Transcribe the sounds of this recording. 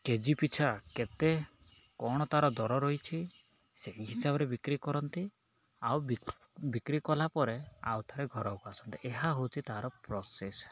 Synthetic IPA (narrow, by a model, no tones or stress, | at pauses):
ked͡ʒipit͡ʃʰaket̪e | kɔɽ̃ɔt̪aɦɾɔd̪ɔɾɔɾojt͡ʃʰi | seɦiɦisabɔɾebikɾikɔɾɔnt̪i | aw | bikɾikɔlapɔɾea̰wt̪ʰaɾeɡʱɔɾɔupasɔnt̪iʔeɦaɦowt͡ʃʰit̪aɦaɾɔpɾɔses